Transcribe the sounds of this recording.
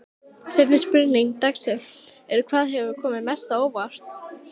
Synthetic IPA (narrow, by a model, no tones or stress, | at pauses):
sɛt̪nɪspɪɾniŋt̪aksɛɛɾkʰvaːðɦɛvʏkʰɔːmɪðmɛst̪aowvar̥t̪